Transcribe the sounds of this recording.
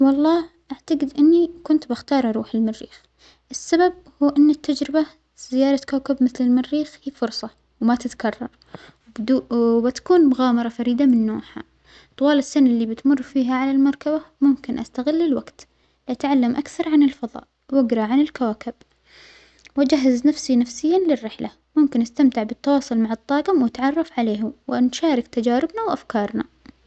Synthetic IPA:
wɑlˤːɑː | ʔaʕt̪aɡɪd̪ʔɪnːikʊnt̪bɪxt̪ɑːɾˤʔɑɾˤuːħɪlmɪrːḭːx | ʔɪsːabab̚ | huːʔɪnːɪt̪ːad͡ʒɾɪba | z̥ɪjɑːɾˤɑkawkɪbmɪθlɪlmɪrːiːxhiːfʊɾsˤɑ | wmat̪ɪt̪kɑrˤːɑɾˤ | ubɪt̪ḁkuːnmʊɣaːmɑɾˤɑfaɾiːd̪amɪnːoːħa̰ | t̪ˤwɑːlɪsːanlːibɪt̪mʊrˤːfiːɦaʕalalmɑɾˤkabamʊmkɪnʔast̪aɣɪlːɪlwaɡt̪ | lɪʔat̪ʕalːamʔakθɑɾˤʕanɪlfɑðˤɑ̰ːʔ | wɪɡɾˤɑʕanɪlkawaːkɪb̚ | wad͡ʒaɦːaznafsinafsɪjːanlɪrːɪħla | mʊmkɪnʔast̪amt̪ɪʕbɪt̪ːɑwɑːsˤʊlmaʕɨt̪ˤːɑːɣɪmwat̪ʕɑrˤːɑfʕaleːɦʊmwʔanʃaːɾɪkt̪ad͡ʒaːɾɪbnawʔafkɑːɾˤna

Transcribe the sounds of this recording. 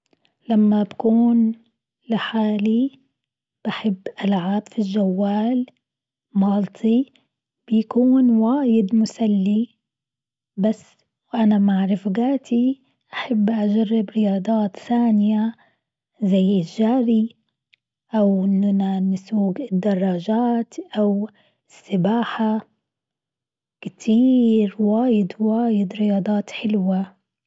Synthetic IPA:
lamːabakuːn | lɪħaːli | b̥aħɪbːʔalʕaːbfilʒːawːaːl | mɑːlt̪ˤʰi | b̥jakuːnwaːjɪd̪mʊsalːi | basː | ʔanamaʕɾɪfɡaːt̪i | ʔaħabːʔad͡ʒarˤːɪbɾɪjɑːd̪ˤɑːt̪θaːnɪja | zajːɪʒaːɾi | ʔawʔɪnːanansuːɡɪd̪ːɑrˤːɑːʒaːt̪ʔaw | ɪsːɪbaːħa | kɪt̪ʰiːɾwaːjɪd̪waːjɪd̪ɾɪjɑːd̪ˤɑːt̪ħɪlwa

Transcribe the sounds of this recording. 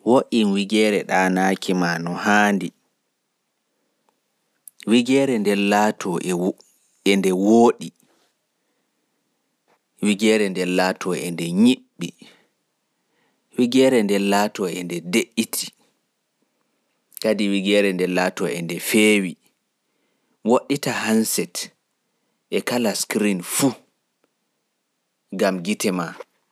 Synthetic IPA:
woʔinwiɡɛːɾɛɗanaːkʰimanɔhandi | wiɡɛːɾɛndɛlatʰɔ | ɛndɛwoːɗi | wiɡɛːɾɛndɛlaːtʰɔɛndɛɲiɓːi | wiɡɛɾɛndɛlatɔɛndɛdeʔːitʰi̥ | kadiwiɡɛːɾɛndɛlatɔɛ̰ndɛfeːwi | woɗːitahansɛt | ʔɛkalaskɾinfu | ɡamɡitɛma

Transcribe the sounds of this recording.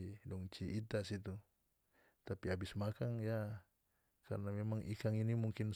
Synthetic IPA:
idɔŋt͡ʃiʔːt̪asit̪u | t̪apiabismakaŋja | ka̰rnamemaŋʔikaŋinimuŋkin

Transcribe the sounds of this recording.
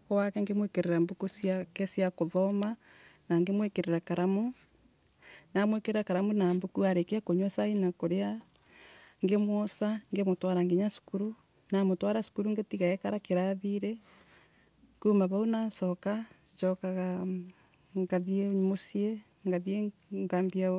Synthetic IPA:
kowakeŋɡemwekeɾeɾambukusiakesiakoðɔmanaŋɡemwekeɾeɾakaɾamo | namwekeɾeɾakaɾamonaːmbukuaɾekeakoɲosainakoɾea | ŋɡemwɔsaŋɡemotwaɾaŋɡeɲasu̥kuɾunamotwaɾasu̥kuɾuŋɡetiɣaɛkaɾakeɾaðiɾe | kumaβaunasɔkad͡ʒɔkaɣa | ŋɡaðiemosie | ŋɡaðieŋɡambia

